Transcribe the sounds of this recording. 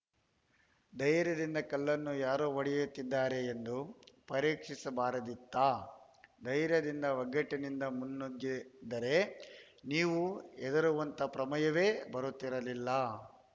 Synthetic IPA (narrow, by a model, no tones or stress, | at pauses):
d̪ɐjɾjɐd̪ind̪ɐkɐlːɐnːujaːɾoːʋɐɽijut̪ːid̪ːaːɾe̞ːnd̪upɐɾiːkʂisɐbaːɾɐd̪it̪ːaː | d̪ɐjɾjɐd̪ind̪ɐʋɐɡɐʈːɐnind̪ɐmunːuɡːid̪ɐɾe̞ | niːʋuɛd̪ɐɾuʋɐnt̪ɐpɾɐmɐjɐʋe̞ːbɐɾut̪ːiɾɐlilːɐ